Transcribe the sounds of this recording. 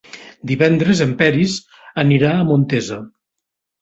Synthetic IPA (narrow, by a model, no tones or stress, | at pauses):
d̪iβɛnd̪ɾəzəmpɛɾiz | əniɾaːmont̪ezə